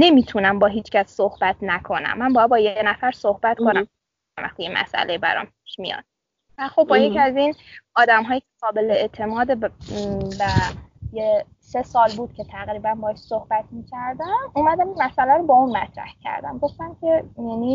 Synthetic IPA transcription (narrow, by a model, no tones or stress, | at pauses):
ne̞mit̪ʰunæmbɒːɦiːt͡ʃʰcʰæsːohb̥æt̪ʰnækʰo̞næ̰mːænbɒːjæd̪̚bɒːjeenæfæɾsohbæt̪kʰo̞næm | æmʔæ̰xt̪ijemʔæ̰sʔæ̰lʔebæ̰ɾɒ̰ːmp̚ʰi̥ʃmḭjɒ̰ːd̪̥̚ | væxo̞b̚ːɒːjecʰiæzinɒːd̪æmɦɒːjiːcʰʲeqɒːbe̞leet̪ʰe̞mɒːd̪e | bæje | se̞sɒːlbuːd̪̚cʰe̞t̪ʰæɣɾiːbænbɒːʃsohb̥æt̪̚ʰmiːcʰæɾd̪æmuːmæd̪æminmæsælæɾobɒːuːnmæt̪ɾæ̰hcʰæ̰ɾd̪æ̰mɡo̞ft̪æmcʰe̞jæːni